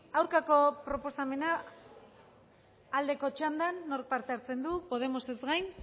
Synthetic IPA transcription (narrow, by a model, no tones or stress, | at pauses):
awɾkako̞pɾo̞po̞same̞na | ld̪e̞ko̞t͡ʃand̪anːo̞ɾk̚paɾt̪e̞aɾt͡se̞nd̪upo̞ð̞e̞mo̞se̞zɡajn